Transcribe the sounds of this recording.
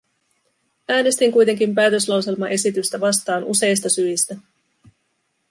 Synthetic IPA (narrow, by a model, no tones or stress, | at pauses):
æːne̞st̪iŋkujt̪e̞ŋkimpæːt̪ø̞slɑwse̞lmɑʔe̞sit̪yst̪æʋɑst̪ɑːnʔṵse̞jst̪ɑsyist̪æ